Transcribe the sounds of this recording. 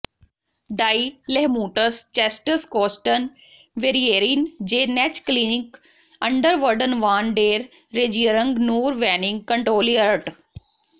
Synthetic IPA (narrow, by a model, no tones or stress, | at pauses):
ɖaːilɛɦmuːʈəst͡ʃɛsʈəskɔːsʈən | ʋeːɾieːɾind͡ʒeːnɛt͡ʃklinɪk | ə̃ɳɖəɾʋəɾɖənʋaːnɖeːɾ | ɾed͡ʒiəɾəŋɡnuːɾʋɛːnɪ̃ŋɡ̚kəɳʈɾoːliəɾʈ